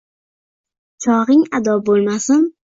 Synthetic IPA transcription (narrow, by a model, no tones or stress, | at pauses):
t͡ʃʰɒʁɪŋad̪ɒbolˠmasɪn